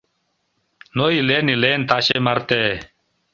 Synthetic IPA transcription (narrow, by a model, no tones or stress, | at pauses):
noileːnileːnt̪aɕemɐɾt̪eː